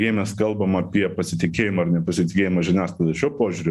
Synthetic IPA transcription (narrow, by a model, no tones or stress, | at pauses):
eɪmʲɛskɐlˠbɐmɐpʲiɛpɐsʲɪt̪ʲɪkʲeːjɪmɐːrnʲɛpɐsʲɪt̪ʲɪkʲeːjɪmɐʒʲɪnʲæːslˠɐd̪ʲɛʃʲuɔpoːʒʲʊɾʲʊ